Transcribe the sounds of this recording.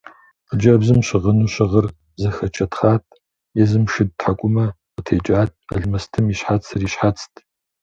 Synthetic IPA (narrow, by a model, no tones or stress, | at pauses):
qəd͡ʒɐbzɨmɕɪʁənuːɕɪʁər | zɐxɐt͡ʃʰʼɐtχaːtʰʼ | jɛzɨmʃɨd̚tħakʷʼʊmɐ | qətʰeːt͡ʃʼaːtʰʼɐ̰ɮmɐstʰɨmiɕħat͡sʰɨriːɕħat͡sʰʼtʰʼ